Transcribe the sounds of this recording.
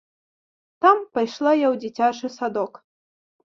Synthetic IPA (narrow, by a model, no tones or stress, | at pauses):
t̪ampajʂlˠajawd͡zʲit͡sʲat͡ʂɨsad̪ɔk